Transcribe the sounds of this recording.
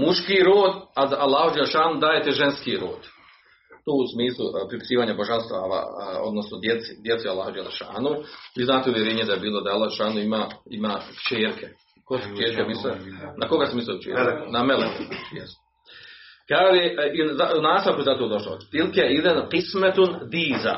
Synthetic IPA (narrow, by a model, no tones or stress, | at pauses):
muʃkiːɾoːd̪azalˠːaːhud͡ʒalʃaːnud̪aːjet̪eʒenskiːɾo̰ːd̪̥ | t̪oːusmiːslˠupɾipi̥siːʋaːɲaboʒanst̪ʋaːʋa̰o̰d̪nosnod̪jet̪sid̪jet̪sealːˠaːhud͡ʒelaʃa̰ːnuʋiːznaːt̪euʋjeɾeːɲed̪ajebiːlˠod̪aalːˠahʃaːnuimaːimaːkt͡ʃeːɾkʰe | kosukt͡ʃeːɾkemislenakoɡasmislˠekt͡ʃḛːɾɾknamelekojɛst̪ | kaleʔizaunaːst̪aʋkuezat̪oːd̪o̞ʃlo̰t̪ilkeid̪enqismet̪und̪iːza̰